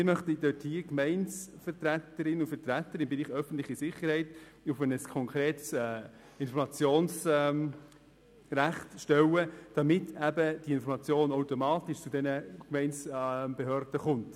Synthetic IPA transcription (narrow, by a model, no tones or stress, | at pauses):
mɪmœχtidøthiːəkmɛɪnsfəɾtɾætəɾɪnʊfətɾætəɾɪmbɛɾiːχœfən̩t̪lɪχisɪχəɾhɛɪt | ʊfɛnəskʰɔŋkʰɾeːts | ɪnfɔɾmɑt͡sjoːnsm | ræχtʃtɛwəd̥ɑmɪtæbəd̥iɪnfɔɾmɑt͡sjoːnoʊtomɑːtɪʃt͡sudɛnəkmɛɪnt͡sb̥eɦœɾd̥əχʊnt